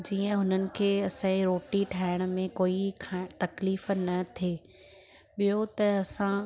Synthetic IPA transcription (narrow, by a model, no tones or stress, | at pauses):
d͡ʑiːə̃ɦʊnənɪ̆kʰeːɐsãĩɾoːʈiʈʰaːɪɽ̃̆mẽkoːikʰat̪ɐkliːf̆nɐt̪ʰeː | ɓijot̪ɐɐsã